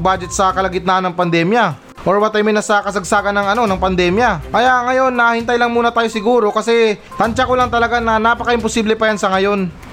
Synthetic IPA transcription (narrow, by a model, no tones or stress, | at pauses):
baːd͡ʒɛt̪sɐkɐlɐɡɪt̪̚nanɐŋpɐnd̪ɛːmjɐ | ʔoɹwɐt̪ɐjmɪnɐsɐkɐsɐɡsaːɡɐnːɐŋɐno̞nɐŋpɐnd̪ɛːmjɐʔɐjaŋɐjo̞nːɐhɪnt̪ɐjlɐŋmuːnɐt̪aːjo̞sɪɡuːɾo̞kɐsɛ | t̪ɐnt͡ʃakolɐŋt̪ɐlɐɡanɐnaːpɐkɐʔɪmposiːblɛpɐjansɐŋɐjo̞n